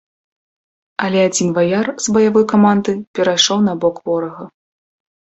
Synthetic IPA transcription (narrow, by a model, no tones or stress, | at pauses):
ɐlʲɛad͡zʲinvajarzbɐjavɔjkamand̪ɨpʲɛɾajʂɔwnɐbɔkvɔɾɐɣɐ